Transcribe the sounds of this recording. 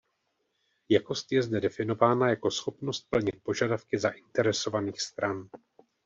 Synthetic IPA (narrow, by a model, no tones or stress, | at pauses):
jako̞st̪jɛzdɛdɛfɪno̞vaːnajako̞sxo̞pno̞st̪̚pl̩ɲɪt̪̚po̞ʒadafkɪzaʔɪnt̪ɛɾɛso̞vaniːxst̪ɾan